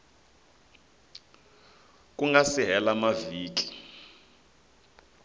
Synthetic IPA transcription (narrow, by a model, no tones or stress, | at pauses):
kʼuŋɡasiɦɛlamaviːkʼi̥